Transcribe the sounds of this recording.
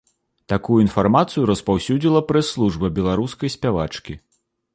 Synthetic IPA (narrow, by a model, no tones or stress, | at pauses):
t̪akujuinfarmat̪sɨjuɾɐspawsʲud͡zʲilˠɐpɾɛsːlˠuʐbɐbʲɛlˠaɾuskɐjsʲpʲavat͡ʂkʲi